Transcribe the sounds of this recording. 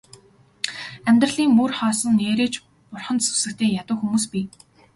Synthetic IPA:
æmʲt̪rə̆ɮiːŋmurχɔːsɞ̆nːeːɾeːt͡ɕ | pʊrχə̆nt̪su̥wsɘ̆kt̪ʰeːjat̪ʊ̆ːxumuːspiː

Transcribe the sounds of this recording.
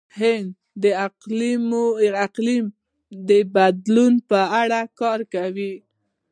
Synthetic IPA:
hɪnd̪ | d̪əaqlimaqlim | d̪əbad̪lunpəaɽakɑɾkawi

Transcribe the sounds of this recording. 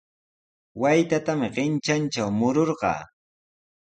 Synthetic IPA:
wajt̪at̪amɪɢɪnt͡ʃant͡ʃawmʊɾoɾɢɑ̰ː

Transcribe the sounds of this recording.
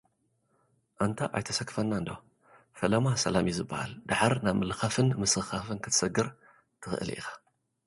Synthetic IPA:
ʔant̪ʰaʔa̰jt̪ʰɐsɐkʰːfɐnːaɨnd̪o | fɐlɐmasɐlamizɨbːaha̰ld̪aħaɾnaβmɨlɨxafɨnmɨsɨxafɨnkʰɨt̪ʰɨ̥sɐɡɨɾ | t̪ʰɨxɨ̰ʔɨ̰lʔḭxḁ

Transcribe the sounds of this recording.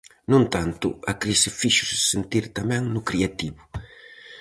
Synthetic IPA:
nũnt̪ant̪ʊ̰akɾisɪfiʃʊ̥sɪ̥sent̪iɾt̪amɛ̃ŋnʊkɾiat̪iβʊ

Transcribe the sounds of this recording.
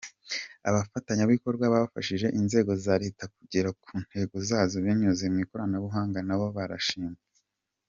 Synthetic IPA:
a̰βafataɲaβiko̞ɾɡwaβaβafaʃiʒe̞ʔinze̞ːɡo̞zaɾe̞tak̚uɟiɾakʰuːn̥he̞ɡozaːzoβiɲuzemiko̞ɾanaβuɦaːŋɡanaβo̞βaɾa̰ʃiːmea

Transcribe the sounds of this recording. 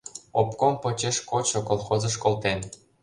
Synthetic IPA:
opkompɤ̆t͡ɕeʃkot͡ɕŏkolˠxozɤ̆ʃkolˠt̪en

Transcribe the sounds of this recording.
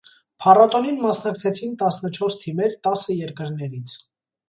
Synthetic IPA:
pʰɑrɔt̪ɔninmɑsnɑkt͡sʰɛt͡sʰint̪ɑsnət͡ʃʰɔɾst̪ʰimɛɾt̪ɑsəjɛɾkəɾnɛɾit͡sʰ

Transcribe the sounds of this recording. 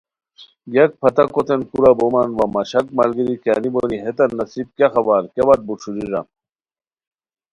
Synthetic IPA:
ɡɐk̚pʰɐt̪ɐkot̪enkuɾabomɐnʋɐmɐɕɐk̚mɐlɡiɾika̰niboniɦet̪ɐnːɐsib̚kaxɐbaɾkeʋɐt̪̚buʂuɾiɾɐ̰

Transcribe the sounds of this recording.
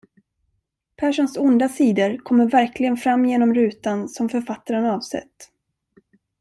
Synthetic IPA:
pʰæːʂɔnsʊnd̪asiːd̪əɾkʰɔmːəɾvæɾklɪɡənfɾamːjeːnɔmɾʉ̟ːt̪ansɔmfœɾfat̪ːaɾənɑːvsɛ̰t̪ː

